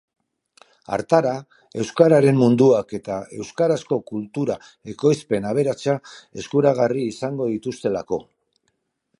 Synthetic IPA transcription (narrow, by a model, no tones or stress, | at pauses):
a̰ɾt̪aɾa | e̞wskaɾaɾe̞mːund̪uake̞t̪ae̞wskaɾasko̞kult̪uɾa | e̞ko̞jspe̞naβ̞e̞ɾat͡ʃae̞̰skuɾaɣ̞ariːsaŋɡo̞ðit̪ust̪e̞la̰ko̞